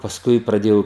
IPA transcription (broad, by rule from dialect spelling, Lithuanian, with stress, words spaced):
pɐsˈkʊɪ prɐˈdʲeːjɛʊ